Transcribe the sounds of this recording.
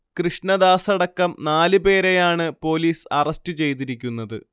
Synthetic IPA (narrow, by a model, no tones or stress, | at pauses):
krɨʂɳɐd̪aːsɐɽɐkːɐmnaːlɨpe̞ːɾejaːɳɨpo̞ːliːsɐrɐstɨt͡ɕe̞jt̪̬iɾikʲːunːɐðɨ̰